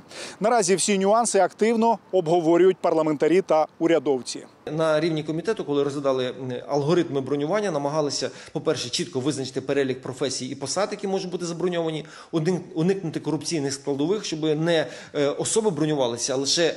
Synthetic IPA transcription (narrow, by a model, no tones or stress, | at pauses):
nɐɾɑzʲiwsʲinʲʊɑnsɪɐkt̪ɪwnɔɔbɦɔʋɔɾʲʊjʊt̚ʲpɐrlˠɐment̪ɐɾʲit̪ɐʊɾʲɐd̪ɔwt͡sʲḭ | nɐɾʲiwnʲikɔmʲit̪ɛt̪ʊkɔlˠɪɾɔzʲʋʲɪd̪ɑlˠɪɐ̰lˠɦɔɾɪt̪mɪbɾɔnʲʊʋɑnʲːɐnɐmɐɦɑlˠɪsʲɐpɔpɛrʃɛt͡ʃit̪̚kɔʋɪznɐt͡ʃɪ̥t̪ɪpeɾɛlʲikpɾɔfɛsʲijiipɔsɑd̪jɐkʲimɔʒʊtʲbut̪ɪzɐbɾɔnʲɔʋɐnʲi | ʊnɪknʊt̪ɪkɔɾʊpt͡sʲijnɪxsklˠɐd̪ɔʋɪxʃt͡ʃɔbɪnɛ | ɔsɔbɪbɾɔnʲʊʋɑlˠɪsʲɐlˠɪʃɛ